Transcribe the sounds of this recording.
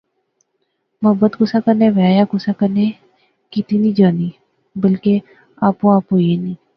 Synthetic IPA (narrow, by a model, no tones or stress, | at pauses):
mɐɦbət̪ɡʊsakəɾneʋəjaːjaɡʊsakəɾne | kit̪inĩd͡ʒaːniː | bəlke | aːpõaːpɦoːjenĩː